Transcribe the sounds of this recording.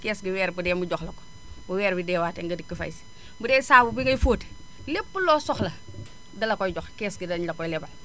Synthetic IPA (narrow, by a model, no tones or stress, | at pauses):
kɛːsɡiwɛːɾbudɛmuɟɔxlɐko̥ | buwɛːɾbidɛːwaːteŋɡɐdikːifɐ̰js | mbudɛːsaːbubiŋɡɐjfoːt | lepːulɔːsɔxlɐ | dɐlɐkɔjɟɔxkɛːsɡidɐɲlɐkɔjlɛbɐl